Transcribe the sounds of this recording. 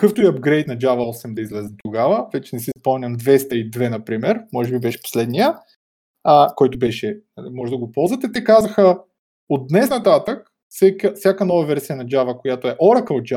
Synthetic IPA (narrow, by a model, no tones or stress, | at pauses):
kkɤft̪oiɐb̚ɡɾɛjt̪̚nɐd͡ʒavəɔsɛmd̪ɐizlɛzɛt̪ʊɡavəvɛt͡ʃɛnɛsispɔmnʲɐmd̪vɛst̪əid̪vɛnɐpɾimɛɾmɔʒɛbibɛʃɛ̥po̥slɛd̪nijə | əkɔjt̪obɛʃɛnɐlimɔʒɛd̪ɐɡopɔlˠzvɐət̪ɛt̪ɛkazɐxə | od̪ːnɛsnɐt̪at̪ək | fsɛkəfsʲjakənɔvɐvɛɾsijənɐd͡ʒavəkojat̪oɛʔɔɾəkəod͡ʒa